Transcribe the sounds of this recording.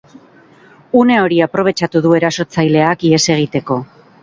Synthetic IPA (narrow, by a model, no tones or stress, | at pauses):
une̞o̞ɾiapɾo̞β̞e̞t͡ʃat̪uðue̞ɾaso̞t͡sajle̞akie̞se̞ɣ̞it̪e̞ko̞